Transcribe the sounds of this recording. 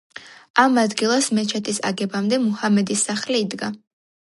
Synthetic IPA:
amad̪ɡilˠasmɛt͡ʃʰɛt̪ʰisa̰ɡɛbamd̪ɛmuhamɛd̪isːaχliːd̪ɡa

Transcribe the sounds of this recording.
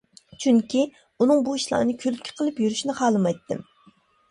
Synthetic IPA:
t͡ʃʰyŋkʲi | unɨŋbuiʃlˠɑ̰ːnɨkʲʰølkʲʰɪ̥qʰəlˠɨpjyɾyʃnɪχɑːlˠɨmɑjt̪ʰːɨ̰m

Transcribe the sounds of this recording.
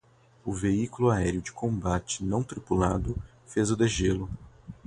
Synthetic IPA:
ʊveikulʊaɛɾjʊd͡ʒɪkʰõbat͡ʃɪ̥nɐ̃w̃t̪ɾipulad̪ʊ | fezʊd̪eʒelʊ

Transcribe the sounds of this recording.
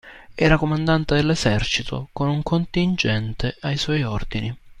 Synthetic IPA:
ɛːɾakomand̪ant̪ed̪elːezɛrt͡ʃit̪ʰo̰konuŋkʰont̪ind͡ʒɛnt̪ʰeʔajswɔjɔrd̪ini

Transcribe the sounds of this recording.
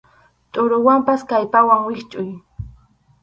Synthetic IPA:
t̪ʼʊɾʊwampaskajpawaŋwɪχt͡ʃʼʊj

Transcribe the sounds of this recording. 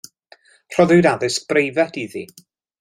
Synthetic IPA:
r̥ɔðɨwdaðɨsk̚b̥rejvɛtiðḭ

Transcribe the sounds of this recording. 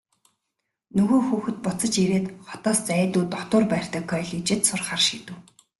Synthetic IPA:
nɵɣoːxuːxɵ̆t̪̚pʊt͡sə̆t͡ɕeɾeːt̪χɔ̥t̪ɔːst͡sæːt̪uːt̪ɔt̪ʊːrpæːr̥ʲt̪ə̆kʰːœːɮiːt͡ɕɪ̆t̪sʊrχaːrʃiːt̪ɘ̆w

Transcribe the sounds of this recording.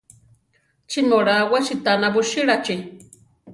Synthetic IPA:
t͡ʃimoɾawaʃit̪anabuʃiɺat͡ʃi

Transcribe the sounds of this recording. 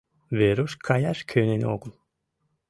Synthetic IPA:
βeɾuʃkʰajaʃkʰønenḭoɡulˠ

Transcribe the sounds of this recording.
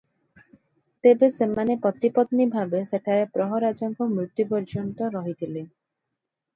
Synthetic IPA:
t̪ebesemanepɔt̪ipɔt̪nibʱabeseʈʰaɾepɾɔɦɔɾad͡ʒɔŋkɔmɾut̪ːjupɔɾd͡ʒɔnt̪ɔɾɔɦit̪ʰile

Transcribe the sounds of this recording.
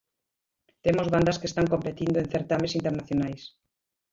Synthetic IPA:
t̪emozβand̪ɐskest̪aŋkompet̪ind̪oenθeɾt̪amesint̪eɾnaθjonajs

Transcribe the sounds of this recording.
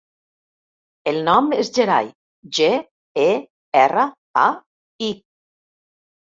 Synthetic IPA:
elˠnɔmezd͡ʒeɾa̰j | ʒe | e | ɛrə | a | i

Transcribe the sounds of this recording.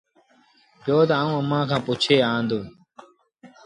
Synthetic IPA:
pjoːt̪aːũːəmãːkʰãːput͡ʃʰeːaːnd̪oː

